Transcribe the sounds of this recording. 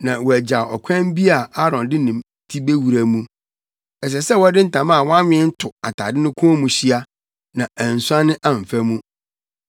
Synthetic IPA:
nã˨wɔ˨æ˨d͡ʑa˨ɔ˨kʷʰɛ̃˦mbi˦a˨a˦ɾɔ̃˨ndɪ˦nɪ̃˨m | tʰi˦be˦wu˨ɾæ˨mũ˦ | ɛ˨s̬ɛ˨sɛ˦wɔ˦dɪ̃˦n̩˦˨tʰã˨ma˦a˨wɔ̃˦a˦mɪ̃˦ɛ˦n̩˦tʰʊ˨a˨tʰa˨dɪ̃˦nʊ̃˦kʰʊ̃˦o˦mũ˨ɕi˦a˦ | nã˨æ̃˨n̩˨sʊ˦a˦nɪ̃˦ʔa˨m̩˨fæ˦mũ˦

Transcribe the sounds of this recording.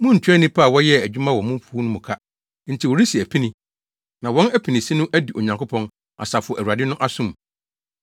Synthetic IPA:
mʊ̃˦n̩˨tʰᶣɛ˦nĩ˦pʰa˦˨wɔ˦jɛ˦æ˨d͡ʑᶣu˦mã˦wɔ˨mʊ̃˦m˦pʰu˦nʊ̃˦mʊ̃˨kʰa˦ | n̩˦˨tʰi˨wɔ˨ɾi˦si˨æ˨pʰi˦nĩ˦ | nã˨wɔ̃˦næ˦pʰi˨nĩ˨sĩ˦nʊ̃˦ʔæ˦di˨ʔo˨ɲã˨ŋkʰʊ˦pʰɔ̃˦n | ʔa̰˨sa˨fʊ˨ɔ˨ʔæ˨ɥa˨dɪ˦nʊ̃˦ʔa˦sʊ̃˦m

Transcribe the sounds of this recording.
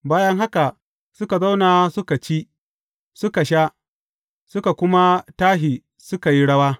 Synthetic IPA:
baː˦jɐ˦ŋɦa˦ka˨ | sʊ˦ka˨za˦wna˨sʊ˦ka˨t͡ʃi˦ | sʊ˦ka˨ʃaː˦ | sʊ˦ka˨kʷʊ˦ma˦taː˦ɦiː˨ | sʊ˦ka˨ji˦ɽɐ˦waː˦

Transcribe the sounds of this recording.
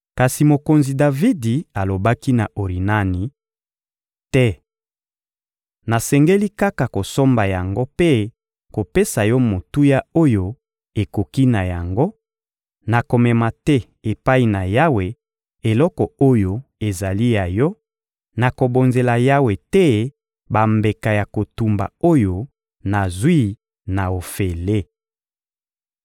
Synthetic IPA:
ka˨si˨mo˨ko˨nzi˨da˨vi˦di˨a˨lo˨ba˦ki˦na˨ʔo˨ʁi˨na˦ni˨ | tɛ˦ | na˨sɛ˨ŋɡe˦li˦ka˦ka˨ko˨so˦mba˨ja˨ŋɡo˦pe˦ | ko˨pe˦sa˨jɔ˦mo˨tu˦ja˦o˦jo˦ | e˨ko˨ki˦na˨ja˨ŋɡo˦ | na˨ko˨mɛ˨ma˨tɛ˦ | e˨pa˦i˨na˨ja˦we˨ | e˨lɔ˦kɔ˨o˦jo˦e˨za˨li˦ja˨jɔ˦ | na˨ko˨bo˨nze˨la˨ja˦we˨tɛ˦ | ba˨mbe˨ka˨ja˨ko˨tu˨mba̰˨o˦jo˨ | na˨zwi˦ | na˨o˨fe˨le˦

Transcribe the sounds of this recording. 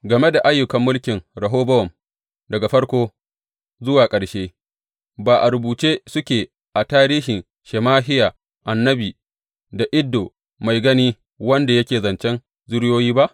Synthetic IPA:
ɡɐ˨me˦da˨ʔa˦jːʊ˨kɐ˨mːʊ˦lkʲɪ˨ŋɾɐ˨ɦoː˦bɐ˦wɔ˨m | dɐ˨ɡa˨ɸɐ˦ɽkʷoː˦ | zʊ˦waː˨kʼɐ˨ɽʃeː˦ | baː˨ʔa˨ɾʊ˨buː˨t͡ʃeː˦sʊ˦kʲeː˨ | ʔa˨taː˦ɾiː˦ʃɪ˨n | ʃɛ˨maː˦ɦɪ˦jaː˨ | ʔa˨nːɐ˦biː˨ | da˨ʔɪ˦dːoː˨ | ma˨jɡɐ˦niː˦ | wɐ˦nda˨jɐ˦kʲeː˨zɐ˨nt͡ʃɛ˦n | zʊ˦ɽjoː˦jiː˦ba˦ʔ

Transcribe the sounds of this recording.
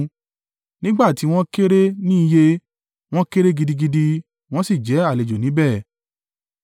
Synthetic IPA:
nĩ˦ɡ͡ba˦˨ti˨˦w̃ɔ̃˦ke˦ɾe˦nĩ˦i˧je˦ | w̃ɔ̃˦ke˦ɾe˦ɡi˧di˧ɡi˧di˧ | w̃ɔ̃˦si˦˨d͡ʒɛ˨˦a˦˨le˨d͡ʒo˨nĩ˨˦bɛː˦˨

